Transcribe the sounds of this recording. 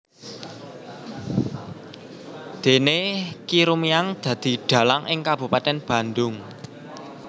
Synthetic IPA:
d̪̥e̤nekiɾumiaŋd̪̥ä̤d̪̥i̤ɖ̪̥ä̤laŋʔɪŋkab̥ṳpat̪ɛnb̥ä̤nd̪ʊŋ

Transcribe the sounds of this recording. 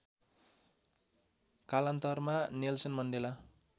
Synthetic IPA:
kalant̪ʌrmanelsʌnmʌnɖela

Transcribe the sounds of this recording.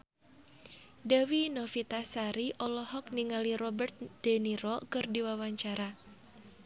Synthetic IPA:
dawinɔfit̪asaɾiʔɔlɔhɔk̚niŋaliɾɔbərt̪̚d̥ɛniɾɔkɨrdiwawaɲt͡ʃaɾa

